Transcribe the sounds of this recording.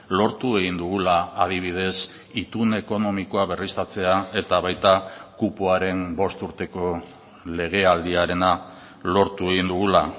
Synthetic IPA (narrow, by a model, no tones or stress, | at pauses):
lo̞ɾt̪ue̞ɣ̞ind̪uɣulaːð̞iβ̞iðe̞s | it̪une̞ko̞no̞miko̞aβe̞rist̪at͡se̞ae̞t̪aβajt̪akupoaɾe̞mbo̞st̪uɾt̪e̞ko̞ | le̞ɣ̞e̞ald̪iaɾe̞na | lo̞ɾt̪ue̞ɣ̞ind̪uɣula